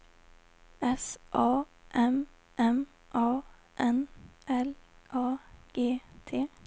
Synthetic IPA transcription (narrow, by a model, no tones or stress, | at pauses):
ɛsʔɑː | ʔɛm | ʔɛm | ʔɑː | ʔɛnʔɛlʔɑːɡ̥eːt̪ʰeː